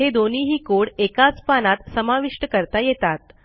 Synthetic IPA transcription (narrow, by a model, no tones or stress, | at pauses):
ed̪oniːɦiːkoɽekat͡spanat̪səmaʋiʂʈəkəɾt̪ajet̪at̪̚